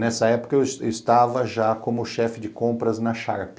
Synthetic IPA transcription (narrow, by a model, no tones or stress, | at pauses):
nɛsɐɛpʊ̥kɐewsɪst̪avɐʒakõmʊʃɛfɪd͡ʒɪkõmpɾɐznɐʃa̰ɾpɪ